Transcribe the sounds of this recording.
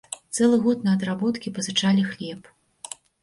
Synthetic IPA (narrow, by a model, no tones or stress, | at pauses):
t̪sɛlˠɨɣɔt̪nɐɐd̪ɾabɔt̪kʲipɐzɨt͡ʂalʲixlʲɛp